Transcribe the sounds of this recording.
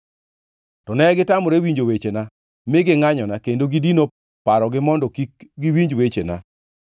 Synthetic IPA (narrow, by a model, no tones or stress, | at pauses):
tɔnɛɡɪtamɔɾewiɲd͡ʒowet͡ʃena | mɪɡɪŋaɲɔnakendoɡidino | paɾɔɡɪmɔndɔkikɡɪwiɲd͡ʒwet͡ʃena̰